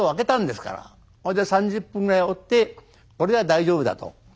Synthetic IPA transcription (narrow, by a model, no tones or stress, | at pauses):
oβake̞t̪ãnd̪e̞sɨ̥ka̰ɾa̰ | kod̪esãɲd͡ʑɨpːɯ̃ŋɡɯɾaio̞t̪ːe̞ | ko̞ɾeβad̪aiʑo̞ːbɯ̟d̪a̰t̪o̰